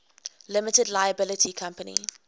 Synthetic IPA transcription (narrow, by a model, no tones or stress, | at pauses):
lɪmətədlaɪjəbɪlətʰikʰãmpənḭ